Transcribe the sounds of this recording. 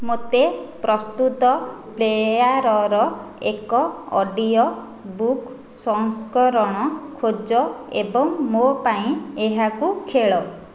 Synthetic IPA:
mot̪epɾɔst̪ut̪ɔplejaɾɔɾɔ | ekɔɔɖijɔ | buk | sɔŋskɔɾɔɽ̃ɔkʰod͡ʒɔebɔŋmopaĩeɦakukʰeɭɔ

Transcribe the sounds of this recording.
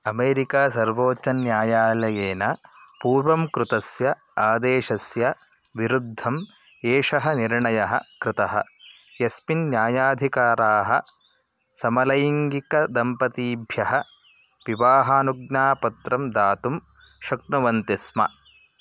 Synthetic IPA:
ɐmeːɾikaːsɐɾʋoːt͡ʃɐnjaːjaːlɐjeːnɐpuːɾʋɐmkɾut̪ɐsjɐ | aːd̪eːʃɐsjɐ | ʋiɾud̪ʱːɐm | eːʂɐɦɐniɾɳɐjɐɦɐ̰̆kɾɪt̪ɐɦɐ̰ | jɐspinnjaːjaːd̪ʱikaːɾaːɦɐ̰ | sɐmɐlɐjiŋɡikɐd̪ɐmpɐt̪iːbʱjɐɦɐ | ʋiʋaːɦaːnuɡnaːpɐt̪ɾɐmd̪aːt̪um | ʃɐk̚nɐʋɐnt̪ismɐ̰

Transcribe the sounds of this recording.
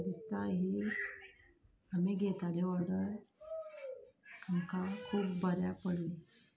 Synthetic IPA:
d̪ist̪aɦiː | amiɡʱet̪aleʋəɽəɾ | aŋkakʰuːpbəɾjapəɽuni

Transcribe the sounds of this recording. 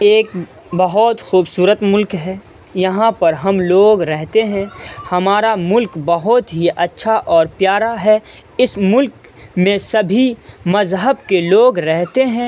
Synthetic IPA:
eːk̚ | bɐɦɔt̪xuːbsuːɾət̪mʊlkɦɛː | jɐɦãpɐɾɦɐmloːɡɾɛɦt̪eɦɛ̃hɐmaːɾamʊlkbɐɦʊt̪ɦiʔɐtːʃʰaʔɔːɾpjaːɾaɦɛ | ɪsmʊlk | mẽsɐbʱimɐzɦəbkeloːɡɾɛɦt̪eɦɛ̃ː

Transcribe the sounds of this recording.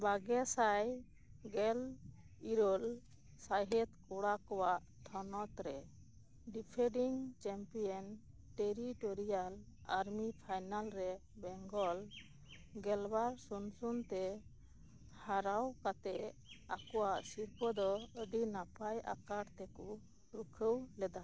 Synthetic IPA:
baɡɛsaj | ɡɛl | iɾɔl | saɦɛt̪kuɽakɔwaʔ | t̪ʰɔnɔt̪ɾɛ | ɖipʰɛɖiŋt͡ʃɛmpijɔn | ʈeɾiʈɔɾijalaɾmipʰajnalɾɛbɛŋɡɔl | ɡɛlbaɾsunsunt̪ɛ | haɾawkat̪ɛʔakɔwaʔsiɾpɔd̪ɔəd̪inapaja̰kaɽt̪ɛku | ɾukʰəwlɛd̪a

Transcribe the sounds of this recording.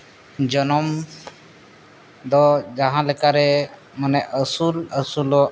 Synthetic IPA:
d͡ʒɔnɔm | d̪ɔd͡ʒaɦãlɛkaɾɛ | manɛʔəsuləsulɔ

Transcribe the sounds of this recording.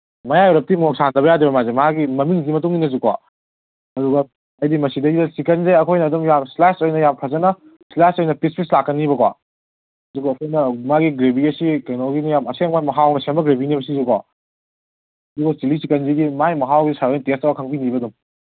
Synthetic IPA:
mɐjajɔɾɐp̚timok̚sandɐbɐjadibɐmazemaɡimɐmiŋzimɐtuŋinɐz̬ukwa | ɐduɡɐ | ɐjdimɐsidɐɡidɐsikɐnzeɐkʰojnɐːdumjamslasojnɐjampʰɐzɐnɐ | slasojnɐpispʰislakːɐnːiβɐkwa | ɐduɡɐːkʰojnɐmaɡiɡɾebiɐsikɐjnoɡinijamɐseŋmajmɐɦawnɐseɐmɐɡɾebinibɐsizukwa | ɐduɡɐsilisikɐnzeɡimajmɐɦawɡisaɾentestɐwɐkʰɐŋbinibɐdum

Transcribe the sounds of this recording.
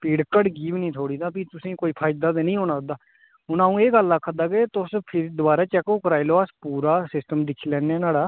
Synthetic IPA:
piːɽkəɖɡiːʋnĩːt̪ʰoːɽiːd̪ãːpiːt̪ʊsĩːkoːiːpʰaːɪd̪aːd̪eːnəĩːɦoːnaːd̪aː | ʊnãːũːeːɡəlːaːkʰːəd̪aːkeːt̪ʊspʰɪɾd̪ʊbaːɾaːt͡ʃɛːkoːkəɾaːiloːaspuːɾaːsɪsʈəmd̪ɪkʰːiːlɛ̃ːnɛːnaːɽaː

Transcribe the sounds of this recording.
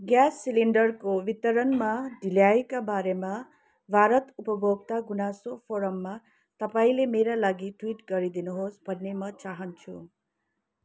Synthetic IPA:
ɡjasːiliɳɖʌrkowit̪ʌɾʌnmaɖʱiljajkabaɾema | bʱaɾʌt̪upʌbʱoɡt̪aɡunasopʰoɾʌmːa | t̪ʌpaĩlemeɾalaɡiʈwiʈɡʌɾid̪inuɦosbʱʌnːemʌt͡saɦʌnt͡sʰṵ

